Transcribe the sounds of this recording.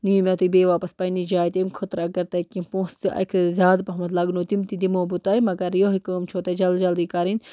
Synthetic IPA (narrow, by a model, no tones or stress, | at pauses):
nijumʲat̪ubeːʋaːpɐspɐjnid͡ʒaːjt̪emkʰət̪ɾɐɡɐɾt̪ɐjkĩpõːst̪iʔɐ̰kʰzʲaːd̪pɐɦmɐt̪lɐɡnot̪imt̪id̪imoːbut̪aːjmɐɡɐɾjoɦikəːmt͡ʃʰoːt̪ɐd͡ʒɐld͡ʒɐld̪ikaːɾinʲ